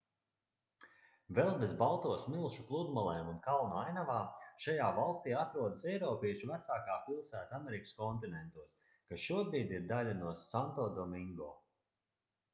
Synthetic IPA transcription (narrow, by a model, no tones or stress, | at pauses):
vɛlˠbezbalˠt̪uɔsmilˠʃuklˠud̪malˠɛːmunkalˠnuajnavaːʃajaːvalˠst̪iːat̪ɾuɔd̪asɛjɾɔːpiɛʃuvæt̪saːkaːpilˠsæːt̪ameɾikə̥skɔnt̪inɛnt̪uɔs | kasʃuɔbɾiːd̪iɾd̪alʲanuɔsant̪ɔːd̪ɔmiŋɡɔ̰ː